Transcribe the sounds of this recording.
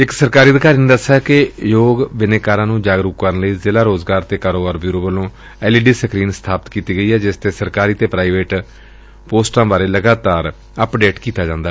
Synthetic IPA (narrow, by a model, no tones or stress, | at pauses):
ɪksəɾkaːɾiːəd̪kaːɾiːneːd̪əsaːkɪjoːɡbɪneːkaːɾãːnũːd͡ʒaːɡɾukkːəɾənləiːzɪlaːɾoːzɡaːɾt̪eːkaːɾoːbaːɾbjuːɾoːbəlõː | ɛːliːɖiːsəkɾiːnst̪ʰaːpət̪kiːt̪iːɡəiːɦɛːd͡ʒɪst̪eːsəɾkaːɾiːt̪eːpɾaːiʋeːʈ | poːsʈãːbaːɾeːləɡaːt̪aːɾ | əpɖeːʈkiːt̪aːd͡ʒãːnd̪aː